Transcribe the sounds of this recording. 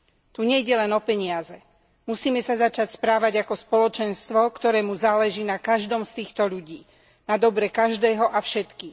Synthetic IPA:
t̪uɲɛiɟɛlɛnɔpɛɲɪazɛ | musiːmɛsazat͡ʃacspɾaːʋaɟakɔspɔlɔt͡ʃɛnst̪ʋɔkt̪ɔɾɛːmuzaːlɛʒiːnakaʒd̪ɔmst̪iːxt̪ɔʎuɟiː | nad̪ɔbɾɛkaʒd̪ɛːɦɔʔafʃɛt̪kiː

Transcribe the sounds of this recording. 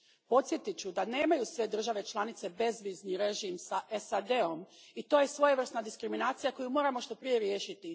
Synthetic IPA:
po̞t̪sje̞t̪it͡ɕud̪ane̞ːmajusʋe̞d̪r̩ʒaʋe̞t͡ʃlˠanit̪se̞be̞zʋizniɾe̞ʒimsaʔesad̪e̞o̞mit̪o̞ːje̞sʋo̞jeʋr̩snad̪iskɾiminaːt̪sijako̞jumo̞ːɾamo̞ʃt̪o̞pɾije̞ɾje̞ːʃit̪i

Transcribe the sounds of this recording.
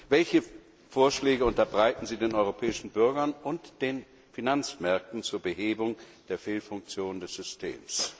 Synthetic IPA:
vɛlçə | foːɐʃlɛːɡəʊntɐbʁaɪtn̩ziːdeːnʔɔʏʁopʰɛːɪʃn̩bʏɐɡɐnʊntd̥eːn | finant͡smɛɐk̚tn̩t͡suːɐbəɦeːbʊŋ | d̥eːɐfeːlfʊŋk̚t͡sjoːndɛsz̥ʏstʰḛːms

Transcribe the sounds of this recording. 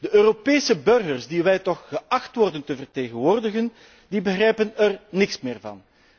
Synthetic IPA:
d̥əʔøːropeːsəbɵrɣərsdiʋɛjtɔxxəʔɑxtʋɔrdəntəvərteːɣənʋoːrdəɣən | dibəɣrɛjpənɛrnɪksmɪːrvɑ̰n

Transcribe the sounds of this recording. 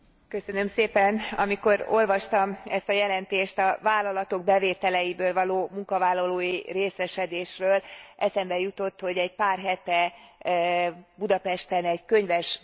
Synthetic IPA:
kø̞sø̞nø̞mseːpɛnɒmiko̞ɾo̞lvɒʃt̪ɒmɛst̪ɒjɛlɛnt̪eːʃt̪ɒvaːlːɒlɒt̪o̞ɡ̚bɛveːt̪ɛlɛjibøːlvɒloːmuŋkɒvaːlːɒloːjireːsɛʃɛd̪eːʃrøːlʔɛsɛmbɛjut̪o̞t̪ːho̞ɟɛɟpaːrɦɛt̪ɛ | bud̪ɒpɛʃt̪ɛnɛɟkø̞ɲvɛʃ

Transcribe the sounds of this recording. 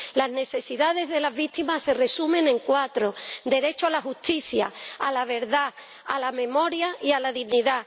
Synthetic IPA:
lazne̞θe̞siðaðe̞zðe̞lazβit̪imasːe̞re̞sumẽ̞neŋkwat̪ɾo̞d̪e̞ɾe̞t͡ʃoalaxust̪iθjaalaβ̞e̞ɾða | a̰lamẽ̞mo̞ɾjaialaðiɣniða

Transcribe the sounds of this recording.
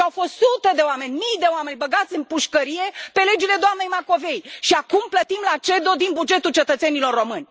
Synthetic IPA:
awfo̞st̪sut̪ed̪e̞oame̞nʲmijd̪e̞oame̞nʲbəɡat̪sʲɨnpuʃkəɾije̞pe̞le̞d͡ʒile̞d̪oamne̞jmako̞ve̞jʃiakumplət̪imlat͡ʃe̞d̪o̞d̪inbud͡ʒe̞t̪ult͡ʃe̞t̪ət̪se̞nilo̞rːo̞mɨnʲ

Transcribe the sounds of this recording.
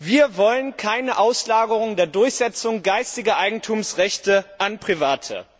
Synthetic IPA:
viːɐvɔlənkʰaɪnəʔaʊslaːɡəʁ̞ʊŋdeːɐdʊɐçz̥ɛt͡sʊŋɡaɪstɪɡɐʔaɪɡŋ̩tʰuːmsʁɛçtəʔanpʁ̥ivaːtʰə̰

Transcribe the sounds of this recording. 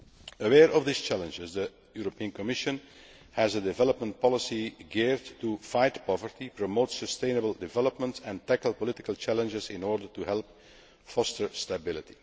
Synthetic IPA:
əwɛːɹʔɔvðist͡ʃælə̃nd͡ʒɪzdə | juɹɔpiə̃nkɔmɪʃə̃n | hæzədɪvɛləpmə̃nt̚pʰɑlˠɪsiɡɛɹdtufaɪtpɔvəɹtipɹɔmoʊtsəstẽɪnəbəlˠdɪvɛləpmə̃ntɛ̃ntækəlˠpɔlɪtɪ̥kəlˠt͡ʃælə̃nd͡ʒɪzɪ̃nɔːɹdəɹtuɦɛlˠp̚ | fɔstəɹstəbɪlˠɪti̥

